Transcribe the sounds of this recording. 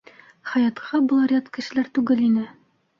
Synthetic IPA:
χɑjɑt̪qʰɑbŏlˠɾʲɑt̪kɘ̆ʃɘ̆læɾt̪ʉɡɘlinɘ

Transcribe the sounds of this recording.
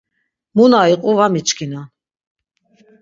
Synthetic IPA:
munaiqʼuvamit͡ʃkʰina

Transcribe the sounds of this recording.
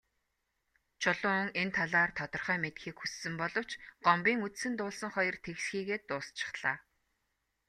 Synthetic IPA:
t͡ɕʰʊɮʊːʊŋent̪ʰaɮaːrt̪ʰɔt̪ɞ̆rχœːmet̪xiːkxusːɘ̆mpɔɮɞ̆w̥t͡ɕɢ̥ɔmpiːŋut͡ssɘ̆nt̪ʊːɮsə̆ŋχɔjɞ̆rt̪ʰeɣɮxiːɣeːt̪ːʊːst͡ɕʰɪ̥̆χɮ̥aː

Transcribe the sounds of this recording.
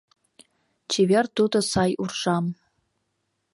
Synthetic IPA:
t͡ʃʰevert̪ud̪əsɑjurʂam

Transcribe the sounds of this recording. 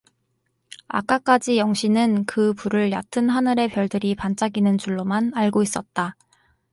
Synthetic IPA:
a̰k͈ak͈ad͡ʑijʌŋɕʰinɯnkɯpuɾɯɭja̰tʰɯnɦanɯɾe̞pjʌɭdɯɾipant͡ɕ͈aɡinɯnt͡ɕuɭːomanaɭɡois͈ʌt̚t͈a

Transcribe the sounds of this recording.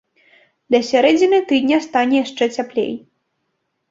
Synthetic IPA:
d̪ʲɐsʲaɾɛd͡zʲinɨt̪ɨd̪ʲnʲɐst̪anʲɛjaʂt͡ʂɛt͡sʲaplʲḛj

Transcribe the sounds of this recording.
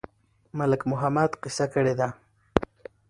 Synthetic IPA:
malakmʊɦamat̪qisakaɾed̪a

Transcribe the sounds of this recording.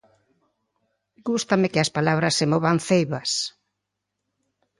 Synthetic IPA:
ɡust̪amekɪɐspalaβ̞ɾɐsːemɔβanθejβɐs

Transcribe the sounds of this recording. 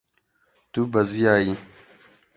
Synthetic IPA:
t̪ubɐzijaːji

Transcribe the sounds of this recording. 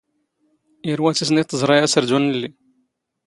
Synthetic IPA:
iɾwæt͡s̪is̬nit̪ˤːəzˤɾˤɑjæsəɾd̪unəlːi

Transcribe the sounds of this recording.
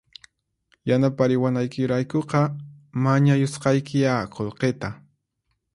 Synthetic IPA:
janapaɾɪwanajkɪɾajkoqɑmaɲajosqɑjkɪjaqolqet̪a

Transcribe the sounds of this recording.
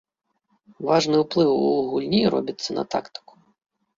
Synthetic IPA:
vaʐnɨwplˠɨwuɣulʲnʲiɾɔ̰bʲɐt̪sːɐnɐ̰t̪a̰kt̪ɪ̥ku̥

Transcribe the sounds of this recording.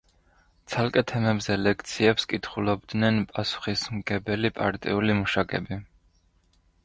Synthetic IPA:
t̪sʰalˠkʼɛt̪ʰɛmɛbzɛlɛkʰt̪sʰiɛpskʼit̪ʰχulɔbd̪nɛnpʼasu̥χismɡɛbɛlipʼaɾt̪ʼḭulimuʃakʼɛbi

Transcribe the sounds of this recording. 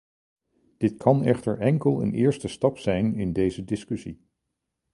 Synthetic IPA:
d̥ɪtkʰɑnɛχtəɹʔɛŋkəlˠə̰nɪːɹstəstɑpsɛjnɪndejzədɪskɵsi

